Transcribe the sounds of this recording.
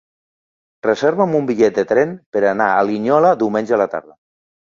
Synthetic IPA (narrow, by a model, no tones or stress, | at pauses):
rezɛɾβəmumbiʎɛt̪̚d̪ət̪ɾɛnpəɾana̰ːliɲɔləd̪iwmenʲʒəəlat̪a̰ɾðə